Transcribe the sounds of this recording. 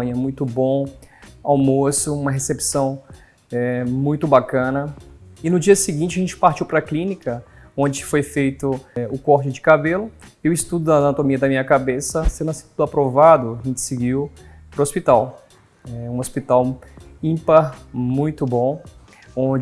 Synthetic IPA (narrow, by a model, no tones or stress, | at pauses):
ɲɐmũj̃t̪ʊbõawmosʊũmɐɦesepsɐ̃w̃ | ɛmũj̃t̪ʊbakɐ̃nɐɪnʊd͡ʒiɐsɪɡĩnt͡ʃɪɐʒẽnt͡ʃɪ̥paɾt͡ʃiwpɾɐklĩnikɐõnd͡ʒɪfojfejt̪ʊʊkɔɾt͡ʃɪd͡ʒɪkabelʊewɪst̪ud̪ʊd̪ɐanat̪omiɐd̪ɐmĩɲɐkabesɐsẽnd̪ɐsĩt̪ud̪apɾovad̪ʊaʒẽnt͡ʃɪ̥sɪɡiw | pɾʊospit̪aw | ɛũospit̪awĩpɐmũj̃t̪ʊbõ | õd͡ʒ